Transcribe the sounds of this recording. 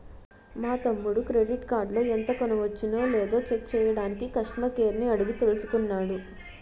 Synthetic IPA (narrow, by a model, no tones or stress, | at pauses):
maːt̪ɐmːuɽukɾe̞ɖiʈkaːɾɖlo̞ːent̪ɐkɔnɐʋɐt͡ʃːinoːleːd̪o̞ːt͡ʃek̚t͡ʃɛːjɐɽaːnikikɐʂʈɐɳɐkeːɾniɐɽiɡit̪e̞lusu̥kunːaːɽu